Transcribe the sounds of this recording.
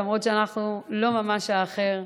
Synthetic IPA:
amʁo̞tʃeanaχnulo̞mamaʃaːχe̞ʁ

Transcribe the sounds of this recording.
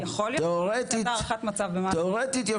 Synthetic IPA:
jaχoljteoʁet̪iaaχat̪mat͡savbemateoʁet̪it̪ja

